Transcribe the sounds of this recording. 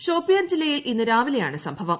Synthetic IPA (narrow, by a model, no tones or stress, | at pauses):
ɕo̞ːpːijɐrd͡ʑilːɐjilʔinːɨɾaːʋilejaːɳɨsɐmbʱɐʋɐm